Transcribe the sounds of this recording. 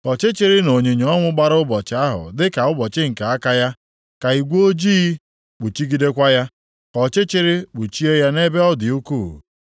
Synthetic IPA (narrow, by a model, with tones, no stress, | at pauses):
kɔ˨t͡ʃɪ˦t͡ʃɪ˦ɾɪ˦no˨ɲe˨ɲ˨ɔ˦ŋʷʊ˦ɡ͡ba˦ɾʊ˦bɔ˨t͡ʃɪ˦a˦ɦʊ̰˨dɪ˦ka˨ʊ˦bɔ˨t͡ʃɪ˦ŋ̩˨ka˨a˦ka˦ja˦ | ka˨i˨ɡʷo˦d͡ʒi˦ | k͡pʊ˨t͡ʃi˦ɡi˦de˦kʷa˦ja˦ | kɔ˨t͡ʃɪ˦t͡ʃɪ˦ɾɪ˦k͡pʊ˨t͡ʃi˦e˦ja˦ne˦be˦ɔ˦dɪ˨u˦kuː˦˨